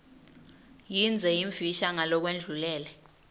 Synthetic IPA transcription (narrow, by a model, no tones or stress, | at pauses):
jind͡zʱɛiɱviʃaŋalɔk̬wend͡ɮʱulɛːlɛ